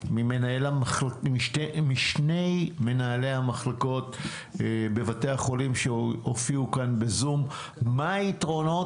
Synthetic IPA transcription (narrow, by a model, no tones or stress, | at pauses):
mimenaelaaχlaiʃemiʃnejme̞naːle̞jhamaχlako̞t | be̞vate̞jaχo̞limʃeofiukanbe̞zumː | aitʁo̞no̞